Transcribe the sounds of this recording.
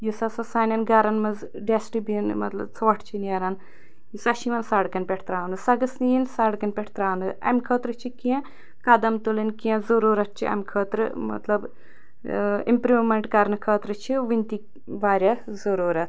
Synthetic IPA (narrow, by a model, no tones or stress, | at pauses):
jusɐsɐsaːnʲɐnɡɐɾɐnmɐz | ɖesʈibinmɐt̪lɐ̰bt͡sʰʋɐʈʰt͡ʃʰinɐɾɐn | jusɐʃiʋɐnsaːɽkɐnʲpʲeʈʰt̪ɾaːnɨsɐɡɐsnijinsaːɽkɐnʲpʲeʈʰt̪ɾaːnɨɐ̰mʲkʰəːt̪ɾɨt͡ʃʰikiẽ | kɐd̪ɐmt̪ulɐnkiẽzɐɾuːɾɐt̪̚t͡ʃʰḭʔɐ̰mʲkʰəːt̪ɾɨmɐ̰t̪lɐb | ḭmpɾiʋmeɳʈkɐɾnɨkʰəːt̪ɾɨt͡ʃʰiʋinʲt̪i | ʋaːɾʲɐ | zɐɾuːɾɐt̪